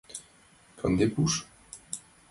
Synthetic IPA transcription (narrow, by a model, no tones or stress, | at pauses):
kʰã̰nd̪epuʃ